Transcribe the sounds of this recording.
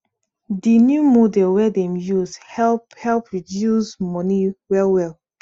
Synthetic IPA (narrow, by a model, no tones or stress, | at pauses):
dinjumodɛlwɛdɛ̃mjushɛlphɛlˠpɹidjusmɔniwɛlwɛl